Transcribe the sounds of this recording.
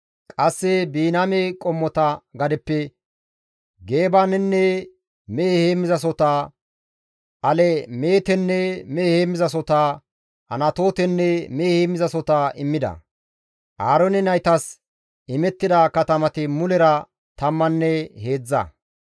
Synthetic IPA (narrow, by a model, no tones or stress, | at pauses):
kʼɐsːɛbiːnamekʼɔmːɔt̪ɐɡɐd̪ɛpːɛ | ɡe̞ːbaːnɛnːɛ | meːheːmːɪzɐs̬ɔt̪aː | ʔɐlɛmeːt̪ɛnːɛmeːheːmːɪzɐs̬ɔt̪aː | hɐ̰nɐt̪o̞ːt̪ɛnːɛmeːheːmːɪzɐsɔt̪aːʔɪmːɪd̪ɐ̰ | ʔaːɾɔnɛnɐjt̪ɐs | ɪmɛt̪ːɪd̪akɐt̪ɐmɐt̪ɪmʊlɛɾɐ | t̪ɐmːɐnːɛhe̞ːd͡zːɐ̰